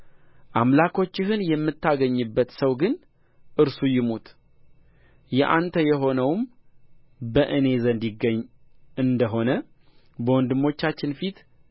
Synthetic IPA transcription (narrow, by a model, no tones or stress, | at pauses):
ʔamlakʰo̞t͡ʃːɪɦɨnjɛmːɨt̪ːaɡəɲːɨbːət̪səwɡɨn | ʔɨɾsujɪmut̪ | jɛʔant̪ʰəjɛɦo̞nəwm | bəʔɨne̞zənd̪iɡəɲːɨnd̪əɦo̞nə | bəwɔnd̪ɨmːo̞t͡ʃːat͡ʃːɪnfit̪